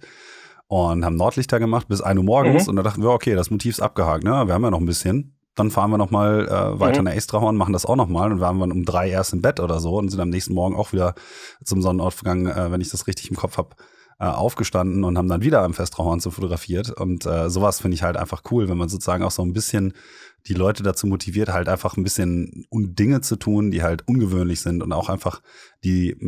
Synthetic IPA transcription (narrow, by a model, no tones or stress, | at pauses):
ʔʊnthaːbmnɔɐtlɪçd̥aːɡəmaχt̚b̥ɪsʔa̰ɪnuːɐmɔɐɡŋ̩sʊ̰ntd̥andaχtn̩viəɐokʰeːdasmotʰiːfɪsʔa̰p̚ɡ̥əhaːk̚tnəviːɐhamjaːnɔχn̩bɪsçən | d̥anfaːʁənviːɐnɔχmaːlʔɛ̰ːvaɪtɐnaʔɛstʁ̥ahɔɐnmaχn̩dasa̰ʊxnɔχmaːlʊnvahaːmdanʊmdʁaɪʔeːɐstɪmbɛtʔoːɾɐzoːʊntzɪntamnɛːçstn̩mɔɐɡŋ̩ʔaʊxv̥iːdɐt͡sʊmzɔnənɔɐtfɐɡaŋənɛːvɛnɪçd̥asʁɪçtɪ̥çɪmkʰɔp͡ffhap | ʔɛ̰ːʔa̰ʊfɡ̥əʃtandn̩ʊnthaːbm̩danviːdɐamfɛstʁ̥ahɔɐnt͡sufotʊɡʁafiːɐtʊ̰ntʔɛːzoːvasfɪndəɪçhaltʔa̰ɪnfaχkʰuːlvɛnmanzoːt͡suz̥aːɡŋ̩aʊxz̥oːnbɪsçən | d̥iːlɔʏtədat͡suːmotʰiviːɐthaltʔaɪnfaχn̩bɪsçənʊdɪŋət͡sutʰuːndiːhaltʔʊnɡəvøːnlɪçz̥ɪntʊnta̰ʊxʔaɪnfaχd̥iː